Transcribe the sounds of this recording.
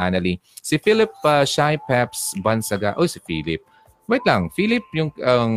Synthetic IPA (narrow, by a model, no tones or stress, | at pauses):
anɐlisɪfilɪpɐʃajpɛpsbɐnsɐɡa̰ʔosɪfḭːlɪp̚ | bwɐɛt̪̚lɐŋfiːlɪp̚jʊŋɐ